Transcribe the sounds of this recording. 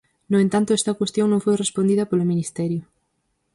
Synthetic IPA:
noẽnt̪ant̪oɛst̪ɐkwest̪joŋnõŋfojrespond̪iðɐpolominist̪ɛɾjo

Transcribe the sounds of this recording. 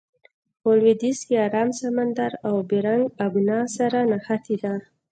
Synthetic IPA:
olwed̪iskeɑɾɑmsamand̪aɾawbiɾaŋɡabnɑsaɾanaxat̪ʰid̪a

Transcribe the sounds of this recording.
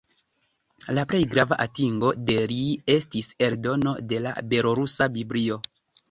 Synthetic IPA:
laple̞jɡɾavaʔatiŋɡo̞de̞lie̞stise̞ɾdo̞no̞de̞la̰be̞loɾusabiblio̞

